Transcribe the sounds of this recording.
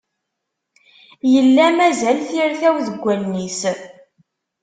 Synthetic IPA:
jəlːæmæzælθiɾθæwðəɡʷːænnːis

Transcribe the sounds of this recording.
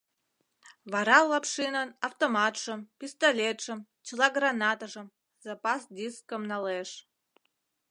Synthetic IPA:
vaɾɑlːapʂinənaft̪omɑt̪ʂəmpʲist̪olʲet̪ʂəm | t͡ɕlˠɑɡranat̪aʐəm | zapasd̪ʲiskəmnaleʂ

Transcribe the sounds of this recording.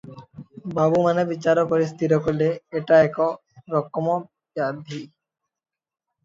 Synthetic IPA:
babumanebit͡ɕaɾɔpoɾist̪ʰit̪̬okoɾleeʈaɛkɔ | ɾɔkːɔmɔ | bjad̪ʱi

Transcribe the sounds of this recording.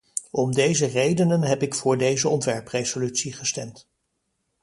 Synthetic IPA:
ɔmdejzərejdənənɦɛpɪkfʊːɹdejzəɔntʋɛɹprejzolytsiχəstɛmt

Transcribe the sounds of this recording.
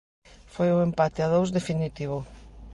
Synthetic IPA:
fojʊempat̪ɪaðowzðefinit̪iβo

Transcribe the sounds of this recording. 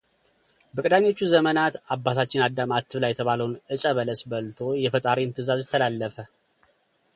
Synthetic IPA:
bəkʼɨd̪aɲːo̞t͡ʃːuzəmənat̪abːat̪ʰat͡ʃːɪnad̪ːamat̪ʰːɨβlajːɛt̪ʰəβaləwnɨsʼəβələsbəlt̪ʰo̞jɛfət̪ʼaɾiɨnt̪ʰɨzazjɛt̪ʰːəlalːəfə

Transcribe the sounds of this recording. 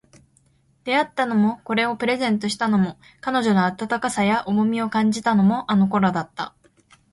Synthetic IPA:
d̪̥e̞at̪ːano̞mo̞ko̞ɾe̞o̞pɯ̟ɾe̞zẽ̞nt̪o̞ɕi̥t̪ano̞mo̞ | kano̞ʑo̞noat̪at̪akasajaʔomo̞mʲio̞kãɲ̟d͡ʑit̪ano̞mo̞ʔano̞ko̞ɾad̪at̪ːa̰

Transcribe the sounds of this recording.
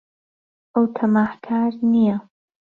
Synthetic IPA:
ʔɐwt̪ʰɐmaːhkʰaːɾnija

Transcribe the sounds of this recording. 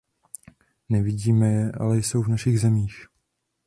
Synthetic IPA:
nɛvɪɟiːmɛjɛʔa̰lɛjso̞wvnaʃiɣzɛmiːx

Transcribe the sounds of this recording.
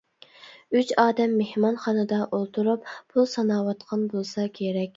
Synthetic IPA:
yt͡ʃɑːd̪ɛmːehmɑnχɑnɨd̪ɑʔolˠt̪ʰuɾuppʰulˠsɑnɑːwɑt̪qʰɑnbolˠsɑkʲʰeɾɛkʲ

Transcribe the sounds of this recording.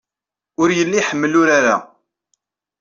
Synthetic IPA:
ʊɾjəlːiħəmːəlʊɾaɾa̰

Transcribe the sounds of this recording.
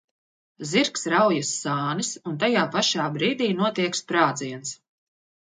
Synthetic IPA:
ziɾksɾawjasːaːnisunt̪ajaːpaʃaːbɾiːd̪iːnuɔt̪iɛkspɾaːd̪ziɛns

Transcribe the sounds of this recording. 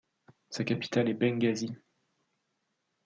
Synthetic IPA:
sakapi̥t̪alɛbɛ̃ŋɡʲazi

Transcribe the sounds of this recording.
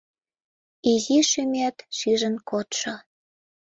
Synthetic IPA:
iziʃømæt̪ʃiʒə̆nkot̪ʃŏ

